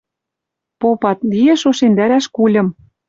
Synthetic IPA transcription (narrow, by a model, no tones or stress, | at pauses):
popɑt̪̚lijĕʃoʃend̪æɾæʃkulʲɤ̆m